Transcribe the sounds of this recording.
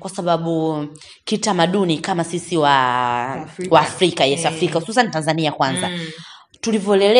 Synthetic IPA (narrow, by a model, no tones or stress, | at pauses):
kwasaɓaɓu | kitamaɗunikamasisiwa | waːfɾikajɛafɾikahususanitanzaniakwanza | tulivjɔɛlɛlɛ